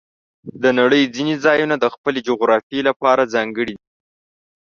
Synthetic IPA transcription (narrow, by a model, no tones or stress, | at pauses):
d̪ənaɽəjd͡zinezɑjunad̪əxpəled͡ʒoɣɾɑfielapɑɾazɑŋɡəɽid̪i